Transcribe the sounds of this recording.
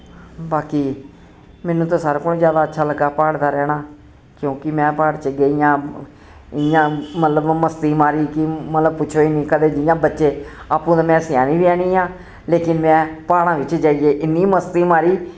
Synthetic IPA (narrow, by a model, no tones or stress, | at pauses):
baːkiː | mɛːnũːt̪õːsaːɾkoːñːzjaːd̪aːətːʃʰaːləɡaːpaːɽd̪aːɾɛːnaː | kjõːkɪmɛ̃ːpaːɽt͡ʃəɡeːɪjãː | ɪjãːmət̪ləbməst̪iːmaːɾiːkɪmət̪ləb̚pʊt͡ʃʰoːiːnĩːkəd̪eːd͡ʒɪjãːbətːʃeː | aːpũːd̪aːmɛ̃ːsjaːnĩːbiɛːɽ̃ĩːãː | leːkɪnmɛ̃ːpaːɽãːʋɪt͡ʃd͡ʒaːijeːʔɪnːiːməst̪iːmaːɾiː